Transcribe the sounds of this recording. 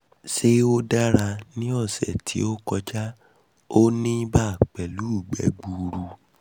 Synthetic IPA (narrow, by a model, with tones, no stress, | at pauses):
se˦o˦da˦ɾa˧nĩ˦ɔ˦˨sɛ˨tʰḭ˨˦o˦kɔ˧d͡ʒa˦ | o˦nĩ˦ba˦˨k͡pɛ˨lu˨˦u˦˨ɡ͡bɛ̰˨˦ɡ͡bu˨ɾu˧